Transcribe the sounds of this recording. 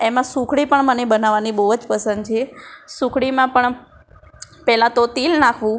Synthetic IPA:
emãsukʰɽipəɳmənebənaʋanibəʋəd͡ʒpəsənd̪t͡ʃʰesukʰɽimãpəɳ | pɛɦlãt̪ot̪ilnakʰʋũ

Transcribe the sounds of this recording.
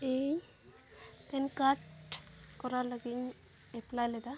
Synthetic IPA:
ej | t̪ɛnkaʈkɔɾalaɡiɲ | ɛplajlɛd̪a

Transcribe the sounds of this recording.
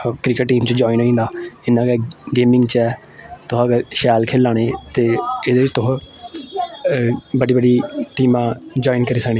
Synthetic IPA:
kɾɪːkəʈʈːiːmt͡ʃəd͡ʒɔːiːnɦoːĩːnd̪aːɪnãːɡɛɡeːmɪ̃ŋɡt͡ʃɛː | t̪ʊɦɡəɾʃɛːlkʰeːlːaːɽ̃eːt̪eːɪd̪eːɪt͡ʃt̪ʊɦ | bəɖiːbəɖiːʈiːmãːd͡ʒɔːiːnkəɾiːsəkniː

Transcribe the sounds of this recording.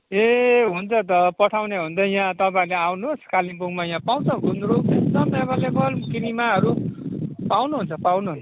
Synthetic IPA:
eɦunt͡sʰʌt̪̬ʌpʌʈʰawneɦund̪ʌjãt̪ʌpaĩleawnuskalipuŋmajãpaw̃t͡sʰʌ̃ɡʱund̪ɾuesd̪ʌmebʌlebʌlkiɾimaɦʌɾu | pawnuɦunt͡sʰʌpawnuɦun

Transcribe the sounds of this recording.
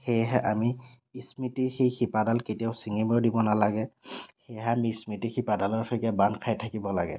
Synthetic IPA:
xejɦɛʔamiː | smitixejxipadalketijaʊsiŋimɔɹdibɔnalaɡɛxejɦɛamiismitixipadalɔɹkʰɔkabankʰajtʰakibɔlaɡɛ̰

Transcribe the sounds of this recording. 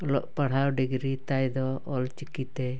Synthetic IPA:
ɔlɔʔpaɽ̤awɖiɡɾit̪ajd̪ɔɔlt͡ʃikit̪ɛ

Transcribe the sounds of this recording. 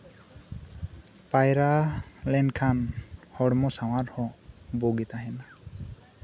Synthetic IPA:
pajɾalɛnkʰanhɔɽmɔsaw̃aɾhɔ̃boɡit̪aɦɛna

